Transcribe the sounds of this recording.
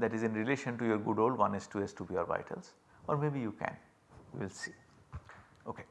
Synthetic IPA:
d̪æʈɪzɪ̃nɾɪleːʃə̃nʈujoːɾɡʊɖoːlɖʋʌ̃nɛsʈuɛsʈubiɔːɾʋa̰ɪʈʰə̰lz | ɔːɾmeːbijukɛ̰̃n | jṵʋɪlsiː | oːke

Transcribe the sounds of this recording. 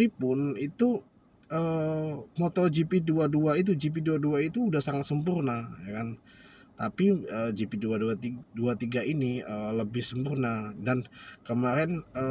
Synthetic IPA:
ipʊnit̪u | əːmot̪ɔd͡ʒipiduaduait̪̬ud͡ʒip̬iduaduait̪uːdahsaŋat̪səmpurnajakant̪apiəːd͡ʒipiduaduat̪iduat̪iɡainiəːləbɪhsəmpurnadankəmaɾɛnəː

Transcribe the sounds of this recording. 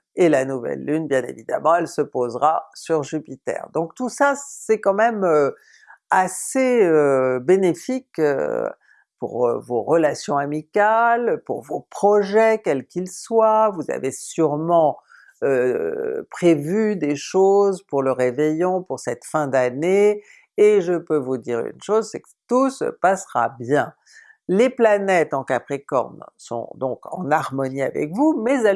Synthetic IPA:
elanuvɛ̰lːynbjɛ̃nḛvid̪a̰mɑ̃ɛlsəpozʁasyʁʒypit̪ɛ̰ʁd̪ɔ̃k̚t̪usasɛkɑ̃mɛmø | aseøbenefikø̰ | pṵʁ̰voʁəlasjɔ̃amikalpṵʁvopχɔʒɛkʲɛlkʲilswavuza̰vesyʁmɑ̃ | ø | pχevyd̪eʃozpuʁləʁevɛjɔ̃puʁsɛt̪fɛ̃d̪aneː | ʒəpøvud̪iʁy̰nʃozsɛkə̥t̪usə̰pasʁa̰bjɛ̃ | leplanɛt̪ɑ̃kapχekɔ̰ʁnsɔ̰̃d̪ɔ̰̃kɑ̰̃naʁmɔnia̰vɛ̰kvumɛzɛ

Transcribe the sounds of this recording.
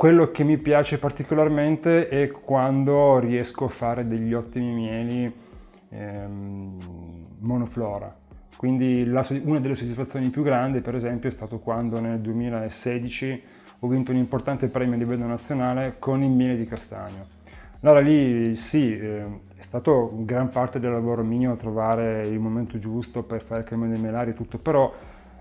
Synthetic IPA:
kwelːokemːipjaːt͡ʃepart̪ikolarment̪eʔɛkwand̪oriɛskoafːaːɾed̪eʎːɔt̪ːimimjɛːli | monoflɔːɾa̰ | kwind̪ilasunad̪elːesod̪isfat̪sːjoːnipjuɡɾand̪ipeɾezɛmpjoɛst̪aːt̪okwand̪oneld̪uemiːlaesɛːd̪it͡ʃi | ɔvːinːt̪ounimport̪ant̪epɾɛːmjoalːivɛlt̪ːonat̪sːjonaːlekonilmjɛːled̪ikast̪a̰ɲo | laɾalisi | ɛst̪aːt̪oɡɾampart̪ed̪elːavoːɾomiːoat̪ːɾovaːɾeilmoment̪od͡ʒust̪operfaɾekɾamond̪elmelaːɾiet̪ːut̪ːopeɾɔ

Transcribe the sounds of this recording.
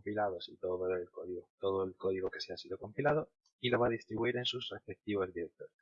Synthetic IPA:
ompilaðosit̪oðooelkoðiɣot̪oðoelkoðiɣokeseasiðoko̞mpilað̞o | iloβ̞aðist̪ɾiβuiɾe̞nsusefek̚t̪iβo̞zðiɾek̚t̪os

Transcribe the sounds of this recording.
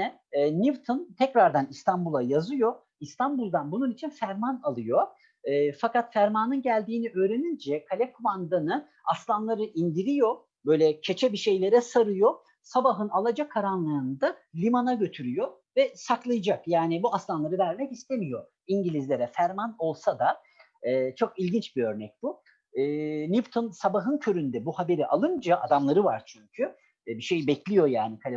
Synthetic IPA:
ɛ | nivt̪ʰont̪ʰɛcɾaɾd̪anist̪ʰanbulˠajazɯjo | ist̪ʰanbulˠd̪anbununit͡ʃʰinfæɾmanalˠɯjo | ɯːfakat̪fæɾmaːnɯnɟælʲd̪iːniʔø̞ːɾenind͡ʒɛkʰalʲɛkʰumand̪anɯ | aslˠanlˠaɾɯʔind̪iɾijo | bø̞jlʲɛcʰe̞t͡ʃʰɛbiʃe̞jlʲe̞ɾɛsaɾɯjo | sabaɦɯnalˠad͡ʒakʰːaɾanlˠɯɯnɯd̪alʲimanaɟø̞t̪ʰyɾyjo | vɛsaklˠajɯd͡ʒakjaːnibuaslˠanlˠaɾɯvæɾmɛcist̪ʰemijo̞ | iɲɟilʲizlʲe̞ɾɛfæɾmano̞lˠsad̪a | ɛːt͡ʃʰo̞kilʲɟint͡ʃbiø̞ɾnɛc̚b̥u | ɯːnift̪ʰonsabaɦɯncʰø̞ɾynd̪ɛbuhabe̞ɾiʔalˠɯnd͡ʒaʔa̰d̪amlˠaɾɯvaɾt͡ʃʰyɲcʰy | biʃe̞jbɛclʲijo̞jaːnik̪ʰalʲ

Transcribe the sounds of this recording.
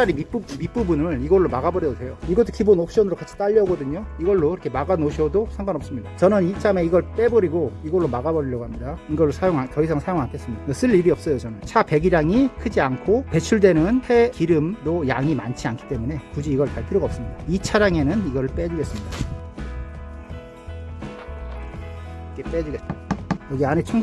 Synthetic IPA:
aɾimip͈umip͈ubunɯɭiɡʌɭːomaɡabʌɾiɡosʰe̞joiɡʌtʰːokibonok̚ɕ͈ʌnɯɾokat͡ɕʰi̥t͈aʎːʌɡʌdɯɲoiɡʌɭːoiɾʌkʰemaɡanoɕʰʌdosʰaŋɡanʌp̚s͈ɯmɲidat͡ɕʌnɯnit͡ɕ͈ʰame̞iɡʌɭp͈e̞bʌɾiɡoiɡʌɭːomaɡabʌɾiʎːʌɡoɦamɲidaiɡʌɭːosʰajoŋɦatʌisʰaŋsʰajoŋɦankʰe̞s͈ɯmɲidaɡes͈ʰɯɭːibiʌp̚s͈ʌjot͡ɕʌnɯnt͡ɕʰape̞ɡiɾaŋikʰɯd͡ʑiankʰope̞t͡ɕʰuɭdwe̞nɯnhe̞kiɾɯmdojaŋima̰nt͡ɕʰiankʰi̥t͈e̞mune̞kud͡ʑiːɡʌɭpaɭpʰiɾoɡaʌps͈ɯmɲid̥ait͡ɕʰaɾaŋe̞nɯniɡʌɾɯɭp͈ed͡ʑuɡe̞s͈ɯmɲida | kep͈e̞d͡ʑuɡejʌɡianet͡ɕʰuŋ

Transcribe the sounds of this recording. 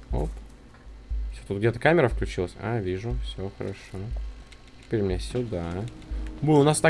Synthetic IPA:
o̰p | fsʲot̪ut̪ɡdʲet̪əkamʲɪɾəfklʲʉt͡ɕilˠəsʲa̰vʲiʐʊfsʲoxəɾɐ̰ʂo | tʲɪ̥pʲeɾʲmɪnʲafsʲʊd̪a | bɨlˠəʊnast̪a

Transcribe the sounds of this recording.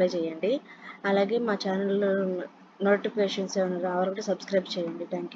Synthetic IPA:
ɐt͡ʃɛːjɐɳɖiɐlaːɡe̞ːmaːt͡ʃaːnɐl | noːʈipeːʂɐnseːʋuɳːaɾɐʋɐɾɐkuːʈɐsɐbskɾɐjbt͡ʃɛːjɐɳɖit̪ʰaːŋkj

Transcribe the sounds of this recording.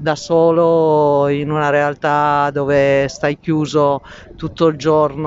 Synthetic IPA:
d̪asɔːloinunaɾealt̪ad̪ɔːvest̪ajkjuːzo | t̪ut̪ːoild͡ʒɔrn

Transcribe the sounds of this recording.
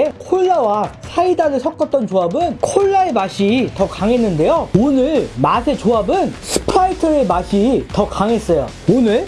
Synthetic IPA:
ekʰoɭːawasʰaidanɯɭsʰʌk̚k͈ʌt̚t͈ʌnt͡ɕoabɯnkʰoɭːaeɭmaɕʰitʌkaŋe̞nːɯnde̞joonɯɭmasʰe̞t͡ɕoabɯnsʰɯ̥pʰaitʰɯɾɯmaɕʰitʌkaŋe̞s͈ʌjo̰ | onɯɭ

